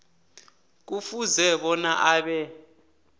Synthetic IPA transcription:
k̬ufuzɛɓɔnaʔaːɓɛ

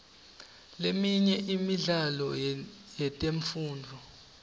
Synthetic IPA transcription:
lemiɲɛʔimiɮalɔ̰jɛtʼeɱfuːndʱɔ

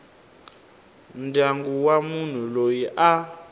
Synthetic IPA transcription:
ndʱaŋɡuwamun̤ulojiʔa

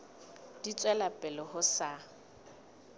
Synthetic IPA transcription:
d̥it͡sʼwɛlapʼɛlɔhʊsa

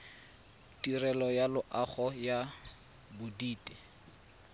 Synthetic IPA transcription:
tirɛlɔjalʊʔaχɔja | bʊdiːtʼɛ

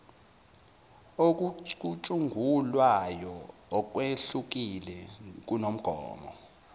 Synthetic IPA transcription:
ok̬uut͡ʃʼuŋɡʱulwajɔːk̬weɬuk̬ilɛk̬unom̩ɡ̥ʱɔ̰ːmɔ̰

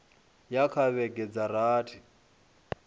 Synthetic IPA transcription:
jakʰaβɛɡʼɛd͡zaɾaːtʰi

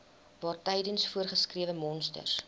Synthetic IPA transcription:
vɑːrtɛjdənsfuərχəskriəvəmɔnstə̰rs

